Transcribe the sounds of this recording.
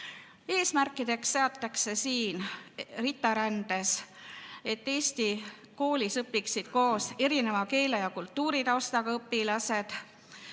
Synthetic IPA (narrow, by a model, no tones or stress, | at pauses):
e̞ːsmærkːˑid̪̥e̞kst̪e̞ɑt̪ːˑɑkse̞siːnrit̪ːˑɑɾænd̪̥e̞s | e̞t̪ːe̞ːst̪i | ko̞ːlisɤpːiksid̪̥̚ko̞ːse̞ɾine̞vɑke̞ːlejɑkult̪ːuːɾit̪ɑost̪ɑɡ̥ɑɤpːilɑse̞d̪̥